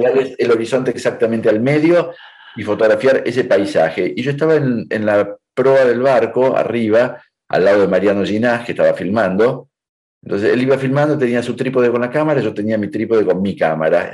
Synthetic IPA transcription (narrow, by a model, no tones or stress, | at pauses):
ɾaleselo̞ɾiso̞nt̪eːksak̚t̪amẽnt̪ealme̞ðjo̞ | ifo̞t̪oɣɾafjaɾesepajsaxe̞ʔiʒo̞est̪aβaenḛnlapɾo̞aðe̞lβaɾko̞a̰riβ̞a | a̰lːað̞o̞ðemaɾjano̞ʒinaskeht̪aβafilmãnd̪o̞ | ent̪onseseliβafilmand̪oit̪e̞niasut̪ɾipoðeko̞nlakamaɾaiʒo̞t̪e̞niamit̪ɾipoðeko̞nmikama̰ɾa̰